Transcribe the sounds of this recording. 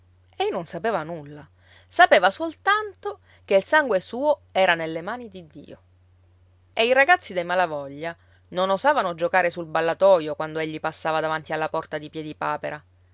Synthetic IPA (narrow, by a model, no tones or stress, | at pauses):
ɛjnonsapeːvanulːa | sapeːvasolt̪ant̪o | keilsaŋɡwesuːoɛːɾanelːemaːnid̪id̪ːḭːo | eiɾaɡat̪sːid̪ejmalavɔʎːa | nonozaːvanod͡ʒokaːɾesulbalːat̪ɔːjokwand̪oeʎːipasːaːvad̪avant̪ialːapɔrt̪ad̪ipjɛːd̪ipaːpeɾʔa